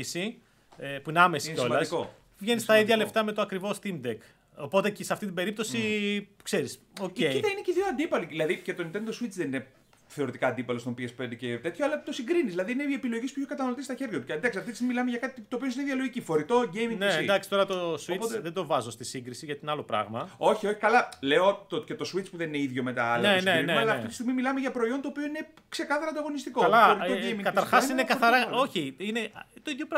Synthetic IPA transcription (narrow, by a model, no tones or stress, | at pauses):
isi | epuineɐmesi̥eo̞lmlɐsko | vʝe̞nist̪ɐiðʝɐlept̪ɐme̞t̪oɐkɾivo̞st̪imd̪ek | opo̞t̪ecisɐft̪it̪ibe̞ɾip̚t̪o̞sikse̞ɾis | oceiieineceðioɐnd̪ipɐliðilɐðicet̪oint̪d̪osuit͡sðenine | θe̞o̞ɾit̪ikɐːnd̪ipɐlost̪opiesped̪ecet̪e̞t̪çoɐlɐt̪osiŋɡɾinizðilɐðiineepilo̞ʝispuçʰo̞kɐt̪ɐnɐlot̪ist̪ɐçeɾʝɐt̪ucend̪ɐksiɐt̪it̪smilɐmeʝɐkɐt̪it̪opios̬iniðʝɐlo̞ʝicifo̞ɾit̪o̞ʝejmiŋnesid̪ɐksit̪o̞ɾɐt̪oswoitpoeðed̪o̞vɐzost̪isiŋɡɾisiʝɐt̪inɐlo̞pɾɐ̰ɣmɐo̞çio̞çi̥kɐlɐle̞o̞t̪oce̞t̪o̞swit͡spuðe̞nineiðʝo̞me̞t̪ɐɐlɐnesneemɐɐlɐft̪it̪ist̪iɣmimilɐmeʝɐpɾo̞io̞nt̪oːpio̞ine̞ | kse̞kɐθɐɾɐnd̪ɐɣo̞nist̪iko̞ɐlɐoɾit̪oejmikɐɐɾxɐsinekɐθɐɾɐo̞çiinet̪oiðjopɾ